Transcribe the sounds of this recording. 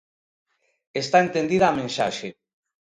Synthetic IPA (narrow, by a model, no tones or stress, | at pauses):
est̪aent̪end̪iðaːmẽnʃa̰ʃe